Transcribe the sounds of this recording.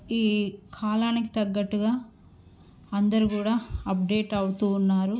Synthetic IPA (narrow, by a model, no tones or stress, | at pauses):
iːkʰaːlaːniki̥t̪ɐɡːɐʈːuɡaː | ɐnd̪ɐɾukuːɽaːɐp̚ɖe̞ːʈɐwut̪uːnːaːɾu